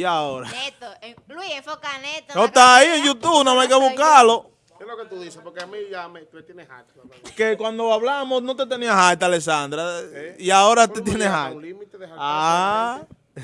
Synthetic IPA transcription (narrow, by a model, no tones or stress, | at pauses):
iaoɾa | kannot̪aieŋjut̪uβnõmajkeβuhkalo | keloket̪uðisepoɾkeamiʝameet̪jenehajt̪ | kekwãnd̪oaβlamosnõt̪et̪eniaɦajt̪alesand̪ɾaiaoɾat̪et̪̬jeneɦajlimit̪eðeaa